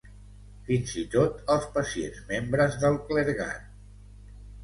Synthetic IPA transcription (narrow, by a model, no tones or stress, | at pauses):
finzit̪ot̪əlˠspəsiḛnzmembɾəzðəlˠkləɾɣa̰t̪